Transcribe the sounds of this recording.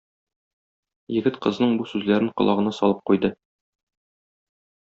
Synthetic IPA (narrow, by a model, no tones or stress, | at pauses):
jɘ̆ɡɘt̪qɤ̆znɤɴbusʉzlæɾɘɴqŏlˠɑʁɤ̆nɑsɒ̰lˠɤp̚qujd̪ɤ